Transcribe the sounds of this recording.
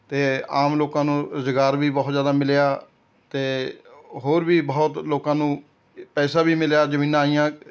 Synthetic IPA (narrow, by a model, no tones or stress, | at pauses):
t̪eːaːmloːkãːnũːɾəzɡaːɾʋiːbɔːt̪zjaːd̪aːmɪljaː | t̪eːɦoːɾʋiːbɔːt̪loːkãːnũː | pɛːsaːbiːmɪljaːd͡ʒəmĩːnːãːijãː